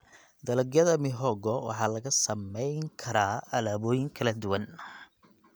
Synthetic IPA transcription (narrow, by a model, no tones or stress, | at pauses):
d̪ɐlɐɡjɐðɐmɪɦɔɡɔwɑ̰ħɑːlɐɣɐsɐmɛjŋkʰɐɾaːɐlaːβɔːjɪŋkʰɐlɐd̪ʊwɐn